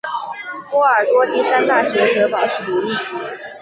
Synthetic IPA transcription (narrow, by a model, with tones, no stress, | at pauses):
t̪wɔ˥ə˞˨˩t̪wɔ˥t̪i˥˧sa˥nt̪a˥˩ɕɥɛ˧˥ʈ͡ʂɤ˧˥pɑ˨˩ʊʂɻ̩˥˩t̪u˧˥li˥˩